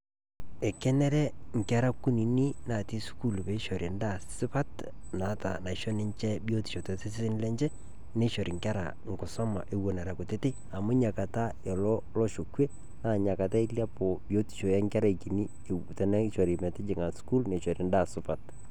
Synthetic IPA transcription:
ɛ˨kɛ˦nɛ˦ɾɛ˦ŋ˨ka˦ɾa˦ku˦ni˨ni˦na˨ti˦sku˦˨lpɛ˨˦ʃo˨ɾi˨nda˦˨sɪ˦pa˦tna˨˦ta̰˨na˨i˨ʃɔ˦nɪ˦ɲt͡ʃɛ˦bi˦o˦ti̥˨ʃo˨tɛ˨sɪ˦sɪ˦sɪ˦n˦lɛ˦ɲt͡ʃɛ˦ | ne˦ʃo˨ɾi˨ŋka˦ɾa̰˨ | ŋ˨kɔ˨sɔ˦ma̰˨ʔe˨wo˨na˨ɾa˨kʊ˨te˦te˦ | a˨mʊ˦ɲa˨ka˨ta˦ | e˨lɔ˦ | lɔ˦ʃo˨kwe˦ | naː˨ɲa˨ka˨ta˦i˦lja˦po˨bjo˦ti̥˨ʃɔ˨ja˦ŋka˦ɾa˦˨ki˨ni˦ | e˨tɛ˨nɛ˦ʃɔ˨ɾi˨mɛ˨tɪ˦d͡ʒɪ˨ŋa˨sku˦lne˨ʃɔ˨ɾi˨nda˦˨sʊ˦pa˨t

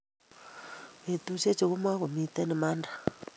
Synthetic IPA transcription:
e˨tu˦se˦t͡ʃi˨ɣu˦mwa˦ku˨mi˦tɛ˦nɪ˨ma˦ndḁ˨

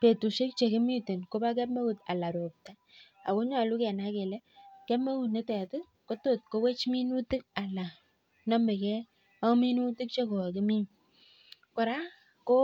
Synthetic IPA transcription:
pe˨tu˨ʃe˦k̚t͡ʃe˨kɪ˦mi˦tɪ˨nko˦ba˦kɛ˦pme˦ku˨ta̰˨la˨ɾo˨p̚ta˦ | a˨ko˦ɲa˨lu˦kɛ˨na˦ke˨lɛ˦kɛ˦pme˦ku˦˨tne˦tɛ˨tʊ˦ | ko˦to˦˨t̚ko˦we˦t͡ʃmi˦nu˦tɪ˦k̚a˨la˨ | nɔ˦me˨kɛ˦ | a˦mi˦nu˦tɪ˦k̚t͡ʃe˦ko˨kɪ˦mi˦ŋ | ko˨ɾa˦ | ko˦

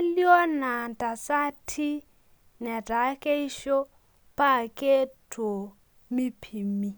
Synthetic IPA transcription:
ljɔ˦na˨ntʼa˨sa˦tʰi˦ | nɛ˨da˨˦kʼe˦i˦ʃɔ˦ | pʼa˦kʼe˦tʰʼo˨ | mi˦pʰi˨mi˨

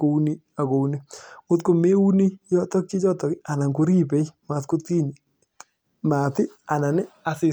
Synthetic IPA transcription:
ko˨u˦ni˦ | a˨ko˨u˦ni˦ŋo˦tko˨me˦u˦ni˦jɔ˦tɔ˦k̚t͡ʃi˦t͡ʃɔ˦tɔ˨kɪ˦a˨na˨ŋko˦ɾi˦pe˨˦jma˨tko˦ti˦ɲi˨ | ma˨tɪ˦a˨na˨nɪ˦a˨sɪ˨

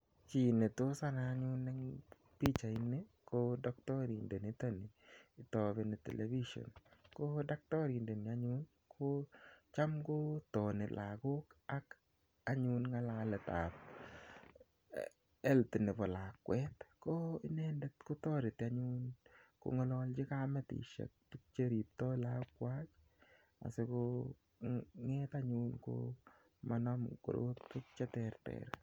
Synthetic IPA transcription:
t͡ʃi˨ne˨to˦sa˦na˨˦ɲʊ˦nːe˦ŋ | pi˦t͡ʃa˨ɪ˦ne˦kodɔ˦k̚tɔ˦ɾḭ˨nde˨ni˦t̪o˦nɪ˨ɪ˨t̪ɔ˨benɪ˨tḛ˨lʔḛ˨bi˦ʃo̰˨nkoda˦k̚tɔ˦ɾi˨nde˨nɪ˨a˦ɲu˦n | kʰot͡ʃa˦mɡo˦tɔ˨nɪ˨lʔa̰˨ɡo˦ka˦k | a˦ɲu˦nŋa˦la˦lɛ˨t̪a̰˨p̚ | ɛ˦ltɪ˨nɪ˨pɔ˨laːkwɛtkoɪ˦nɛndɛtko˦tɔː˦ɾɪtaɲunko̰˨ŋɔ˦lɔlt͡ʃɪ˦kamɛtḭ˨ʃḛk̚pɪk̚t͡ʃeɾi˨p̚tɔlakwat͡ʃ | a̰˨sɪko | ŋɛtaɲunko̰ | manɔmko̰˨ɾo̰˦t̚pɪk̚t͡ʃɛtɛrtɛ̰ɾ

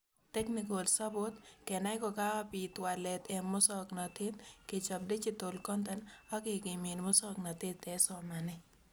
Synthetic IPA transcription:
t̪ɛ˦knɪkolsa˦bot̪kɛ˨na˦ɪ˦kɔ˨ka˦wa˦pit̪wa˨lɛ˨t̪ɛ˨mːʊ˦sɔ˦knɔ˨t̪ɪ˦t̪ke˨t͡ʃɔ˨p̚de˦t͡ʃi˦t̪o˨lkɔ˦nt̪ɛ˦nɔ˦kɪ˨ɡɪmi˨nmʊ˦sɔknɔ˨t̪ɪ˦t̪ɛ˨sɔma˨nɪ

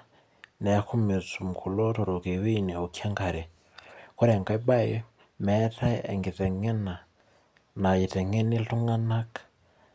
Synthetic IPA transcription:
nɛ˨a˦ku˦me˨t͡su˨m̩˨kʰu˨lɔ˦tɔ˨ɾo˨ke˨we˦i˨nɛ˨o˨kʰja˦ŋɡa˨ɾɛ˨ | ko˦ɾɛ˨ŋɡa˨i˦ba˦ji˦ | mɛ˨˦ta˦ɛ̰˨ŋɡi˨tɛ˨ŋɛ˦na˨ | na˨ji˨tɛ˨ŋɛ˦ni˦ɬu˦ŋa˦na˦kḁ

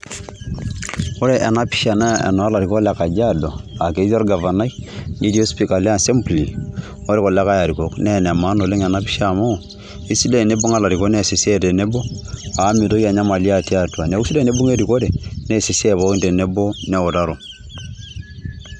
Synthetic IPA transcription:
o˦ɾe˨ʔɛ˨na˦pi̥˦ʃa˨na˦ḛ˨no˨a˦la˨ɾi˨ko˦la˦ka˨d͡ʒa˦do˨a˨ke˨˦zo˦ɾɡa˨va˨na˦i˦ni˦di˦o˦spi˨ka˨le˦a˦nse˦mpli˨ | o˦ɾe˦ko˨la˦ka˦ja˨ɾi˨ko˨knɛ˦˨nɛ˨ma˦no˨le˦ŋɛ˨na˦pi˦ʃa˦˨mo˦˨ | i˦si˦le˨ne˦bo˦ŋa˦la˨ɾi˨ko˦ne˦˨se˨si˦e˦te˨ne˦bo˦a˨˦mi˨to˦ki˦a˨ɲa˦ma˨li˦a˦ti˦a˦twa˨ne˨˦u˦si˦le˦˨ne˦bu˦ŋe˦ɾi˨ko˦de˨ne˦˨se˨se˦˨bɔ˦ki˦nde˨ne˦bo˦ne˦˨o˨ta˦ɾo˨

